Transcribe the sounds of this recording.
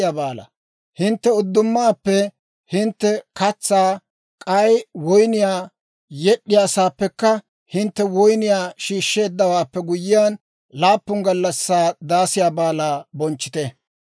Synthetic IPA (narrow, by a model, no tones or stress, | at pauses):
jaːbaːlɐ̰ | hɪnt̪ːɛʊd̪ːʊmːaːpːɛ | hɪnt̪ːɛkɐt͡sːaː | kʼɐjwɔjnɪjaː | jɛɗːɪjaːsaːpːɛkːɐ | hɪnt̪ːɛwɔjnɪjaːʃiːʃːe̞ːd̪ːɐwaːpːɛɡʊjɪjaːn | laːpːʊŋɡɐlːɐsːaːd̪aːsɪjaːbaːlaːbɔnt͡ʃːɪ̥t̪ɛ